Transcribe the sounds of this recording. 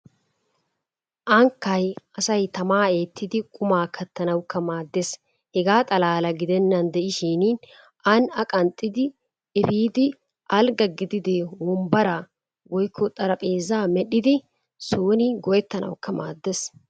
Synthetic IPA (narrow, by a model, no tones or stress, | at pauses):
ʔɐŋkːɐjɐsɐjt̪ɐmaːe̞ːt̪ʰːɪd̪ɪkʼʊmaːkʰɐt̪ːɐnɐwkːɐmaːd̪ːes | hɛɡaːt̪ʼɐlaːlɐɡɪd̪ɛnːɐnd̪ɛʔɪʃiːnːn | ʔɐnɐkʼɐnt̪ʼːɪd̪ɪ | ɛfiːd̪ɪ | ʔɐlɡɐɡɪd̪ɪd̪ewɔmbɐɾa | wɔjkʰːɔt̪ʼːɐɾɐpʼe̞ːzaːmɛɗɪd̪ɪ | soːnɪɡɔjɛt̪ːɐnɐ̰wkːɐma̰ːd̪ːes